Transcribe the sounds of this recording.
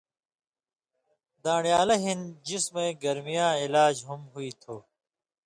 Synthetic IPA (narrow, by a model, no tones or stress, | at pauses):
d̪aːɳjaːlɐɦind͡ʑismẽːɡɐɾmijãːilaːd͡ʑɦumɦuit̪ʰoː